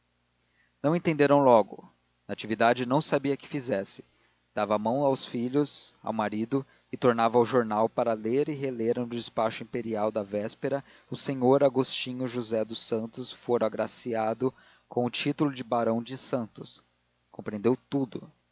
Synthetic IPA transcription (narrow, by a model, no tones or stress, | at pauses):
nɐ̃w̃ẽt̪ẽnd̪eɾɐ̃w̃lɔɡʊ̰ | nat͡ʃivid̪ad͡ʒɪnɐ̃w̃sabiɐkɪ̥fizɛsɪ̥ | d̪̥avɐamɐ̃w̃awsfiʎʊza̰wmaɾid̪ʊ | ɪt̪oɾnavɐawʒoɾnawpaɾɐleɾɪɦeleɾnʊd͡ʒɪspaʃʊĩpeɾiawd̪ɐvɛspeɾɐ | ʊsẽɲoɾaɡost͡ʃĩɲʊʒuzɛd̪ʊsɐ̃nt̪ʊsfoɾaɡɾasiad̪ʊ | kõw̃ʊt͡ʃit̪ʊlʊd͡ʒɪbaɾɐ̃w̃d͡ʒɪsɐ̃nt̪ʊs | kõmpɾẽnd̪ewt̪ud̪ʊ